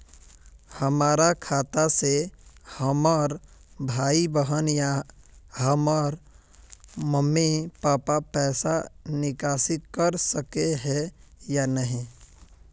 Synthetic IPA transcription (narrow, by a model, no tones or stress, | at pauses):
həmaːɾakʰaːt̪asehəməɾbʱaːibəɦənja | ɦəməɾ | məmːipaːpapɛːsanɪkaːsɪt̪̚kəɾsəkeɦɛjanəɦĩ